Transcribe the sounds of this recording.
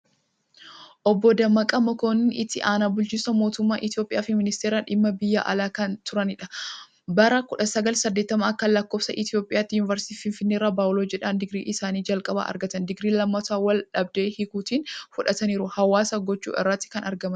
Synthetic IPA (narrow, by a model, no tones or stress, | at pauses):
ʔɔbːɔd̪ɐmːɐkʼɐmɔkoːnɪnʔɪt̪ːɪʔaːnaːbʊlt͡ʃiːsɐmo̞ːt̪ʊmːaːʔɪt̪ɪjo̞ːpʼɪʔaːfɪmɪnɪst̪eːɾaːᶑɪmːɐbɪjːa̰ːʔɐ̰laːkɐnt̪ʊɾɐnɪᶑɐ | bɐɾɐkʊᶑɐsɐɡɐlsɐd̪ːeːt̪ːɐmaːɐkːɐlɐkːoːfsɐ̰ʔɪt̪ɪjo̞ːpʼɪjaːt̪ːɪjʊnɪvɐɾsɪ̥t̪iːfɪnfɪnːeːɾːaːbaːʔʊlod͡ʒɛᶑɐnd̪ɪɡɾḭːʔɪsaːniːd͡ʒɐlkʼɐba̰ːʔɐ̰ɾɡɐt̪ɐnd̪ɪɡɾiːlɐmːɐt̪aːwɐlᶑɐb̚d̪e̞ːhɪkuːt̪iːnfʊᶑɐt̪ɐniːɾʊhɐwaːsɐɡɔt͡ʃːṵːʔɛ̰rːɐt̪ːɪ̥kɐnɐɾɡɐmɐn